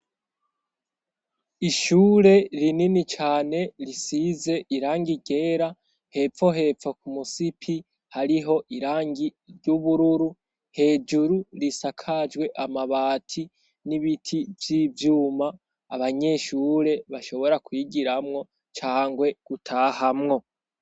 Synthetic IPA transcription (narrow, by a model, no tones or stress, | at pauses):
iʃuːɾe̞ɾininit͡ʃaːne̞ɾisize̞ʔiɾaːŋɡiɟe̞ːɾa | he̞p͡fo̞ɦe̞ːfo̞kumusipʰi | haɾiɦo̞ʔiɾaːŋɡiɾɟuβuɾuɾu | he̞ːd͡ʒuɾuɾisakʰad͡ʒɡwe̞ʔamaβaːtʰi | niβitʰivjiːvjuːmaː | βaɲe̞ʃuːɾe̞βaʃo̞βo̞ɾakwiɡiɾamŋo̞ | t͡ʃaːŋɡwe̞ɡ̥utʰaːhamŋo̞